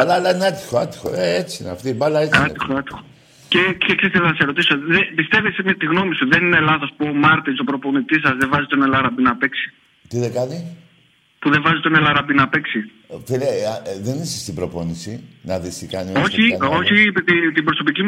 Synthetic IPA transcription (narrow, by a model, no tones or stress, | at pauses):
ɐlɐlɐineɐt̪i̥xoɐ̰t̪i̥xo̰eet͡siinɐ̰ft̪ibɐlɐeɐixoɐt̪ixo | ceceksesɐnɐseɾo̞t̪isoðepist̪e̞vesmɐt̪iɣno̞misuðe̞ninelɐθo̞spuomɐɾt̪isopɾo̞po̞nit̪isɐzðevɐzit̪one̞lɐɾɐbinɐpeksi̥ | t̪iðekɐni | puðe̞vɐzit̪o̞nelɐɾɐbinɐpeksi | filðenisɐst̪ibɾopo̞nisinɐ̰ðist̪ikɐ̰nio̞çio̞çit̪it̪ibɾo̞so̞pici